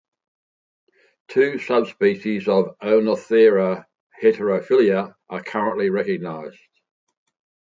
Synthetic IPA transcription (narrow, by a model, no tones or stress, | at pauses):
tʰʉːsʌbspiˑʃɪzəvəʊnəθiəɹə | hɪtəɹəʊfɪljəʔəkʰʌɹə̃nʔliɹɛkəɡ̚naɪz̥d̥